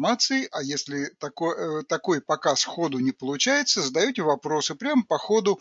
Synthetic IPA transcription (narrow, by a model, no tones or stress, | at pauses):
mat̪sɨɪʔɐjesʲlʲɪt̪ɐkot̪ɐko̞jpɐkasxo̞d̪ʊnʲɪpəlˠʊt͡ɕæjɪt̪səzəd̪ɐjɵtʲɪvɐpɾo̞sɨpɾʲampɐxo̞d̪ʊ